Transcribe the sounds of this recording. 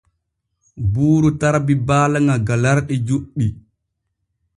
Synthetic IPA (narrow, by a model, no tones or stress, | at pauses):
buːɾutaɾbibaːlaŋaɡalaɾɗid͡ʒuɗːi